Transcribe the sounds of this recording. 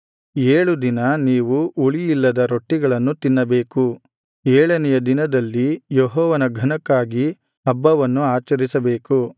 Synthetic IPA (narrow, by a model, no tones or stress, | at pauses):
eːɭud̪inɐniːʋuʔuɭijilːɐd̪ɐɾo̞ʈːiɡɐɭɐnːut̪inːɐbe̞ːku | eːɭɐnɛjɐd̪inɐd̪ɐlːijɔɦɔːʋɐnɐɡʱɐnɐkːaːɡi | ɐbːɐʋɐnːuaːt͡ʃɐɾisɐbeːku